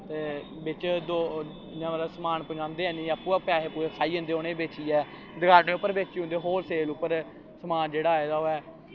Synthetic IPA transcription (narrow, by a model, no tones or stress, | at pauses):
t̪eː | bɪt͡ʃd̪oː | nãːmət̪ləbsəmaːnpəd͡ʒãːnd̪eːɛ̃ːnĩːapːuːaːpɪaːɦeːpuːɾeːsaːiːɦə̃nd̪eːoːnẽːbeːt͡ʃiːɛː | d̪əɡaːneːʊpːəɾbeːt͡ʃiɦʊ̃nd̪eːɦoːɾseːlʊpːəɾ | səmaːnd͡ʒeːɽaːeːd̪aːoːɛː